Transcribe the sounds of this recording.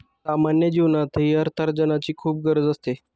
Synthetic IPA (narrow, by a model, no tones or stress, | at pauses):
samanjəd͡ʑiʋnat̪ɦiːəɾt̪ʰəɾd͡ʑənat͡ɕiːkʰuːp̚ɡəɾəd͡zəst̪e